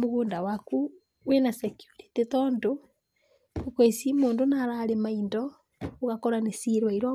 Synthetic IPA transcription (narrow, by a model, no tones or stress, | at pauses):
muɣuːndawaku | wenasekjuɾi̥titoːndo | ukwesimoːndonaɾalemaindo | oɣakoɾanesiɾwaiɾo